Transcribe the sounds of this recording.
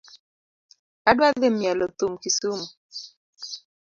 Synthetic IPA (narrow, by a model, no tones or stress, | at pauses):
adwad̪emjalɔt̪umkisumu